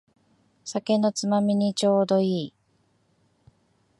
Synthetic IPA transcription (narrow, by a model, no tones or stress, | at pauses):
sake̞no̞t͡sɨmamʲiɲ̟it͡ɕo̞ːd̪o̞iː